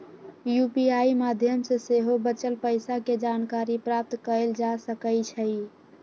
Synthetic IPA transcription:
jupiaimad̪ʱjəmsẽseɦobət͡ʃəlpəɪsaked͡ʒankaɾipɾap̚t̪kəəld͡ʒasəkəjt͡ʃʰəi

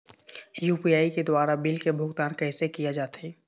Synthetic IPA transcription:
juːpijaːiked̪waːɾabɪlkebʱʊɡt̪aːnkɛːsekijad͡ʒaːt̪eɛː

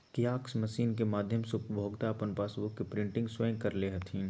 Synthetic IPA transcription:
kijaːksmɐʃiːnkemaːd̪ʱjəmsʊpbʱoːɡt̪aɐpənpaːsbʊkːepɾɪ̃ɳʈɪ̃ŋɡswəjə̃kɐɾleɦɐt̪ʰĩː

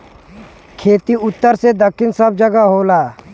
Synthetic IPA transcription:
kʰeːt̪iʊt̪ːəɾsed̪əkʰːɪnsəb̚d͡ʒəɡaɦoːlaː

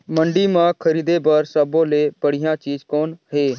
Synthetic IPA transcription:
məɳɖiːmãːkʰəɾiːd̪eːbəɾsəbõːleːbəɽɪjãːt͡ʃiːzkɔːnɦeː

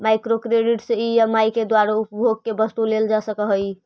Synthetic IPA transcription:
majkɾokɾeɖiʈseiəmajked̪waɾaupbʱoɡ̚kebəst̪uleld͡ʒasəkəɦəj

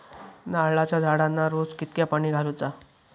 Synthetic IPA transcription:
naːɭat͡ɕjad͡zʱaɽanːaɾod͡zkit̪̚kjapaɽ̃iːɡʱaɾut͡sa

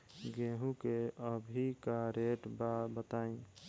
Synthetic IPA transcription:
ɡeɦũkeəbʱikaɾeʈbabət̪aĩ

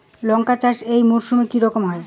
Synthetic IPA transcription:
lɔŋkat͡ɕaʃejmuɾʃumekiɾɔkomɦɔe

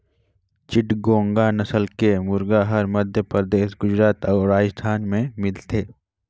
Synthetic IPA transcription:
t͡ʃɪʈɡõːŋɡanɐsəlkemʊɾɡaɦɐɾmɐd̪ʱjəpɾd̪eːʃɡʊd͡ʒɾaːt̪ɔːʊɾaːjst̪ʰaːnmẽmɪlt̪ʰeː

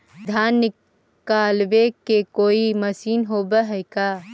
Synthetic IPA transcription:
d̪ʱaːnːɪ | kaːlbekekoːimɐsiːnɦoːbəɦɛɪkaː

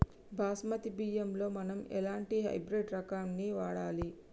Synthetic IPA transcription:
bʱaːsmɐt̪ibiːjɐmlo̞ːmɐnɐmɛ̰laːɳʈiɦɐ̰jbɾeːɖɾɐkaːnːiʋaːɽaːli

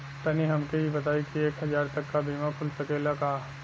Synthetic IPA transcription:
t̪ɐniɦɐmkeɦibɐt̪aːikieːkɦɐzaːɾt̪ɐkːabʱiːmakʰʊlsɐkeːlakaː

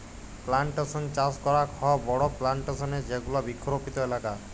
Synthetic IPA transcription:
plaɳʈasɔnt͡ʃaskɔɾakʰɔbɔɽɔplaɳʈesɔned͡ʒeɡulɔbikʰːɾopit̪ɔelaka

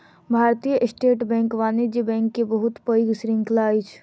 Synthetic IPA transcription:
bʱaːɾt̪ijəʔsʈeːʈbɛ̃ːŋkʋaːnid͡ʒibɛ̃ːŋkːebəɦʊt̪pəɪɡsɾɪ̃ŋklaːit͡ʃʰ

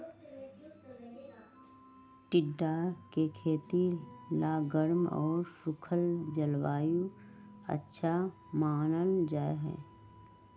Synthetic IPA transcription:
ʈɪɖːakekʰeːt̪ilaːɡəɾmɔ̰ːɾsʊkʰəld͡ʒəlwaːju | ə̰tːʃʰa | maːnənd͡ʒaːeɦɛ̰ː

